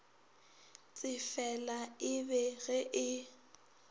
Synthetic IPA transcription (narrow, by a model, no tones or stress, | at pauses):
t͡sʼɪfɛlaɪbɛɣɛʔɪ